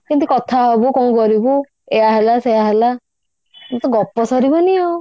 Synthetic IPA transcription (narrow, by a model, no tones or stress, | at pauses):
kĩnt̪ukɔt̪ʰaɦɔbukɔũkɔɾibu | eaɦelaseɦaɦela | mt̪ɔɡɔpɔsɔɾibɔniɔ